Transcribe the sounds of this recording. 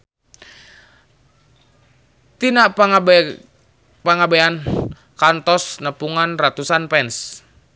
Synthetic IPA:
t̪inaʔp | paŋabean | kant̪ɔsnəpuŋanrat̪usanpɛns

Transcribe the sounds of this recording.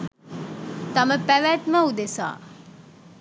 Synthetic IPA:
t̪ɐməpæʋæʈmɐud̪esa̰ː

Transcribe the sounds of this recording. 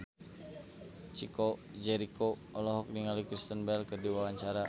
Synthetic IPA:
t͡ʃikod͡ʒɛɾikoʔɔlɔɦɔk̚niŋalukɾist̪ənbɛlkərdiwawaɲt͡ʃaɾa

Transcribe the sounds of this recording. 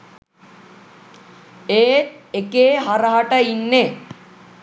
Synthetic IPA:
eːt̪̚ekeːɦaɾəɦaʈəinːe

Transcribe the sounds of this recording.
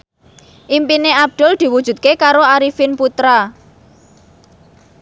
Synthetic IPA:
ʔimpineab̚d̪̥ʊ̤ld̪̥i̤wud̥d͡ʒ̥ṳt̪̚kekaɾoaɾifɪnput̪ɾa

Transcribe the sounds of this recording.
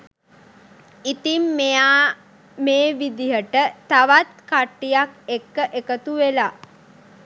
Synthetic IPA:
it̪imːejaː | meːʋid̪ijəʈət̪aʋat̪kaʈːijakekːəʔekət̪uʋela

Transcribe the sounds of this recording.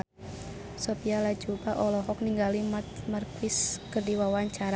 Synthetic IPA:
sopialḁd͡ʒubaʔɔlɔɦɔk̚niŋɡalimat̪̚mərkwɪskərdiwawaɲt͡ʃaɾa

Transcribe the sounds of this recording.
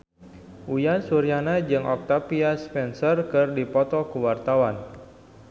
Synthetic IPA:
ʔujansuɾjanad͡ʒɨŋʔɔk̚t̪apiaspɛnsərkɨrdipɔt̪ɔkuwart̪awan

